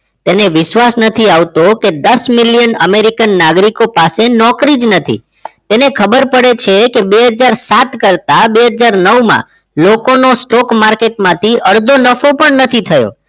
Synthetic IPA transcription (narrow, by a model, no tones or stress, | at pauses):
t̪eneʋɪʃʋasnət̪ʰiaʋt̪oked̪əsmɪljənəmeɾikənːaɡɾikopasenɔkɾid͡ʒnət̪ʰḭ | t̪enekʰəbəɾpəɽet͡ʃʰekebeɦəd͡ʒaɾsat̪kəɾt̪abeɦəd͡ʒaɾnəwmã̰ | lokonosʈɔkmaɾkeʈmãt̪ʰiʔəɾd̪ʱonəfopəɳnət̪ʰit̪ʰəjo̰